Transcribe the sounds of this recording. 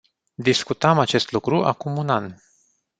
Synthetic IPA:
d̪iskut̪amat͡ʃe̞st̪lukɾuʔa̰kumunan

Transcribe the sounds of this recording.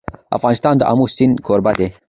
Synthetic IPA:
ɐ̰fɣɑːnist̪ɑːnd̪əʔa̰muːsinkʰoːɾbad̪e

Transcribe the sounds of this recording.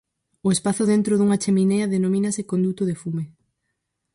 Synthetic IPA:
oespaθʊðent̪ɾoðuŋat͡ʃemineaðenomĩnasekond̪ut̪oð̞efume

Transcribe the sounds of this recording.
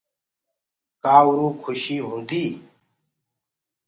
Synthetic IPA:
kaːwuɾũːkʰuɕiːɦũnd̪iː

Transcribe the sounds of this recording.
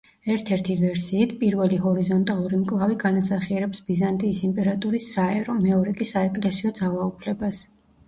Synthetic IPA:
ɛɾt̪ʰɛɾt̪ʰivɛɾsiːt̪ʰpʼiɾvɛliɦɔɾizɔnt̪ʼalˠuɾimkʼlˠaviɡanasaχiɛɾɛpsbizant̪ʼiːsimpʼɛɾat̪ʼuɾisːaɛɾɔmɛɔɾɛkʼisaɛkʼlɛsiɔd̪zalˠaupʰlɛbas

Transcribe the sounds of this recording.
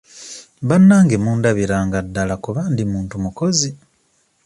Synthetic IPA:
βanːaːŋɡemuːndaβiɾaːŋɡadːalakuβaːndimuːntumukozi

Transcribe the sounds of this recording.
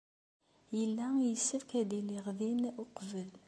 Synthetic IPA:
jəlːæjəsːəfkæd̪iliʁðinʊqvəl

